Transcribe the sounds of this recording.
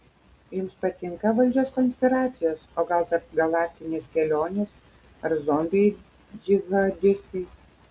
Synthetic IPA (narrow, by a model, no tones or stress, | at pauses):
jʊmspɐt̪ʲɪŋkɐʋɐlʲd͡ʒʲoːskɔnʲsʲpʲɪɾɑːt̪sʲɪjoːsoːɡɐlˠk̪ɐɾpɡɐlˠɑːk̚ʲt̪ʲɪnʲeːskʲɛlʲoːnʲeːs | ɐɾzoːmʲbʲej | d͡ʒʲɪɣɐd̪ʲɪst̪ɐɪ